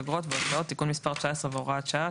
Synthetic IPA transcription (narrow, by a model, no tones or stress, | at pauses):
aɡʁot̪veot͡sao̞tt̪ːikunmispaʁt͡ʃaesʁeveoʁaat͡ʃa